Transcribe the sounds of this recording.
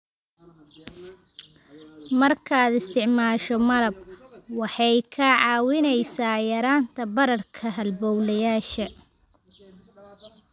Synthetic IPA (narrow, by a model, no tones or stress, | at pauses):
mɐrkʰaːd̪ɪst̪ʰɪʕmaːʃɔmɐlɐb̚wɑħɑjkʰɐʕɑːwɪnɛjsaːjɐɾaːnt̪ʰɐbɐɾɐrkʰɐɦɐlbɔwlɐjaːʃɐ